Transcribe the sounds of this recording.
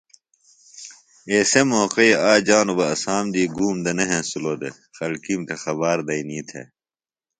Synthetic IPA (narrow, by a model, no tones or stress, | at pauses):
eːsemoqejaːd͡ʑaːnubɐɐsaːmd̪iːɡuːmd̪ɐneɦẽsuloːd̪e | xɐlkimt̪ʰexɐβaːɾd̪ɐinĩːt̪ʰḛ